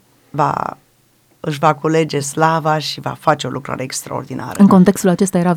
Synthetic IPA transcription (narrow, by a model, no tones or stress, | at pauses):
va̰ | ɨʃ̬vakule̞d͡ʒe̞slavaʃiva̰fat͡ʃe̞o̞lukɾa̰ɾeekst̪ɾa̰o̞̰rd̪inʔa̰ɾə̰ɨŋko̞nt̪e̞kst̪ulat͡ʃe̞st̪ajeɾa